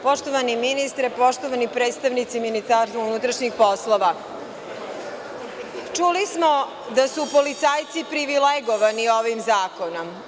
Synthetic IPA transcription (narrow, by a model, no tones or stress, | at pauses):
po̞ʃt̪oʋaniminist̪ɾepo̞ʃt̪oʋanipɾeːt̪st̪aʋnit̪siminist̪aɾsʋaunut̪ɾaʃɲixpo̞slˠoʋa | t͡ʃulismo̞ | d̪asupolit̪saːjt̪sipɾiʋileɡoʋanio̞ʋimzaːko̞no̞m